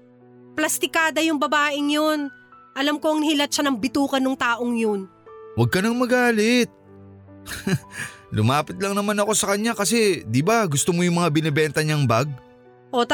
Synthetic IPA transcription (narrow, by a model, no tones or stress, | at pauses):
plɐst̪ɪkaːd̪ɐjʊŋbɐbaːʔɪŋjon | ʔɐlamkoɐŋnhɪlɐt̪̚ʃanɐŋbɪt̪uːkɐnʊŋt̪aːʔoŋjonwɐɡ̚kɐnɐŋmɐɡaːlɪt̪̚ | lʊmaːpɪt̪̚lɐŋnɐmanɐko̞sɐkɐɲːakɐsɛd̪ɪbaɡʊst̪omojʊŋmɐŋabɪnɪbɛnt̪ɐɲaŋbaɡ̚ | ʔot̪